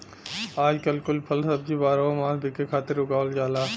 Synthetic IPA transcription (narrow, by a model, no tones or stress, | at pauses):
aːd͡ʒkɐlkʊlpʰɐlsɐb̚d͡ʒibaːɾaomaːlbɪkekʰaːt̪ɪɾʊɡaːʋəld͡ʒaːlaː